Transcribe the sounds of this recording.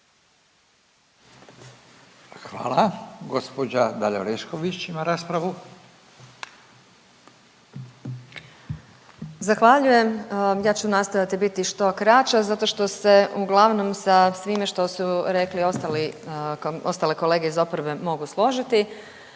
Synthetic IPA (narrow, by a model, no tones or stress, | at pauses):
xʋa̰ːlaɡo̞spod͡ʑad̪aʎo̰ɾeʃkoʋit͡ɕimaɾaːspɾaʋu | zaxʋaʎuje̞mjaːt͡ɕunast̪ojat̪ibit̪iʃt̪o̞kɾat͡ʃazat̪o̞ʃt̪o̞se̞uɡlˠaʋno̞msasʋimeʃt̪o̞suɾe̞klio̞st̪ali | ost̪aleko̞le̞ːɡeizo̞poɾbe̞mo̞ɡuslˠo̞ʒit̪i